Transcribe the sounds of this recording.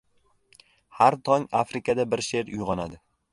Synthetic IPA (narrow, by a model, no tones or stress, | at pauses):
haɾt̪ʰɒŋafɾɪkʰad̪abɪɾʃe̞ɾʊjʁɒnad̪ɪ